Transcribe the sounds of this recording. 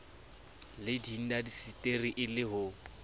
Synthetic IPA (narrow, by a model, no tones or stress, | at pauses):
lɪdin̩dadisitʼeriʔɪlɪɦʊ